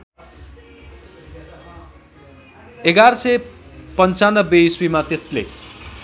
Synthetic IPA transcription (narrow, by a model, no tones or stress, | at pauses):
eɡaɾʌsʌjpʌnt͡sanʌbːeiswimat̪eslḛ